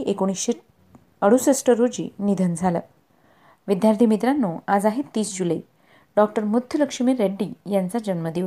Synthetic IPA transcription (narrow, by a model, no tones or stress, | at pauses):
ʔekoɽ̃isɕe | əɽ̤usesʈəɾːod͡ʑḭːnid̪ʱənd͡zʱalə̰ | ʋid̪jaɾt̪ʰimit̪ɾanːuad͡zaɦit̪ːiːsd͡ʑuləi | ɖɔk̚ʈəɾmud̪ʱjələkʂimeɾeɖːiːjant͡sad͡ʑənməd̪iʋ